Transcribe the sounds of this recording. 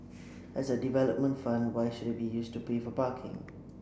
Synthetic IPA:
ʔəzədivɛləp̚mə̃ntfãndwaɪʃudət̚bijuːstupʰeːfɔpaˑkʰɪ̰̃ŋ

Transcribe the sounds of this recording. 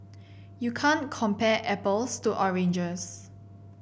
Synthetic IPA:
jukʰãnkʰɔ̃mpɛʔɛpəlstuʔɔɹẽnd͡ʒəs

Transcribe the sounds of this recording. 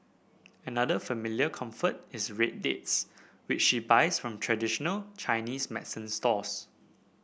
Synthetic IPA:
ənadəfəmiljəkʰãɱfət̚ɪsɹet̚dets | wɪt͡ʃʃibaɪsfɹɔ̃mtʰɹɛdiʃɔnəlt͡ʃʰaɪnismɛdsə̃nstɔs

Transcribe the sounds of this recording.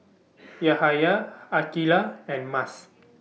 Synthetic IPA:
jahajaakilaɛ̃nmas

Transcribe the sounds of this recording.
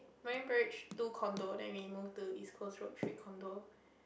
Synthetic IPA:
mɛ̃ɹə̃npɛɹit͡ʃtukʰɔ̃ndodɛ̰̃nwimuftudiskʰosɹotʰɹiʔ̚kʰɔ̃ndo

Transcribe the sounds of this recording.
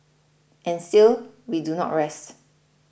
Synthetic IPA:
ʔɛ̃nstilwidunɔ̰tɹɛst

